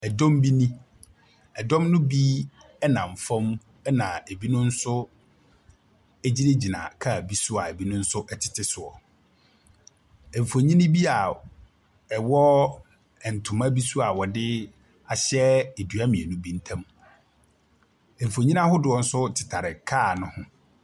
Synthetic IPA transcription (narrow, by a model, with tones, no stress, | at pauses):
ɛ˨dɔ̃˦mbi˦nĩ˦ | ɛ˨dɔ̃˦mnʊ̃˦bi˦ | ɛ˦nã˨ɱ̩˨fɔ̃˦m | ɛ˦nã˨e˨bi˦nʊ̃˦n̩˦sʊ˦ | ɛ˦d͡ʑi˦ne˦d͡ʑi˨nã̰˨kʰa˦˨bi˦sʊ˦a˨e˨bi˦nʊ̃˦n̩˦sʊ˦ʔɛ˦tʰɪ̥˨tʰɪ˦sʊ˨ɔ˨ | ɛ̃˨ɱ̩˨fo˨ɲĩ˦nɪ̃˦bi˦a˨ | ɛ˨wɔ˦ | ɛ˨n̩˨tʰʊ̃˨mã˦bi˦su˦a˨wɔ˨dɪ˦ | a˨ɕɛ˦e˨dɥa˦mĩ˨ɛ˨nũ˦bi˦n̩˦tʰã˦m | ɛ̃˨m̩˨fo˨ɲĩ˦nã˦hʊ˦dʊ˨ɔ˦n̩˦sʊ˦tʰɪ̥˨tʰa˨ɾɪ˨kʰaː˦˨nʊ̃˦hʊ̃˦